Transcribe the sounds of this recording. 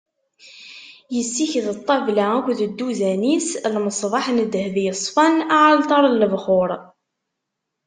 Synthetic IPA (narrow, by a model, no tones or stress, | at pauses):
jəsːiçðət̪ˤːɑvlæækʷðəd̪ːuzænislməsˤvˤɑħnəd̪ːhðjəsˤfɑnaʕalt̪ˤɑɾˤlːəvχʊɾˤ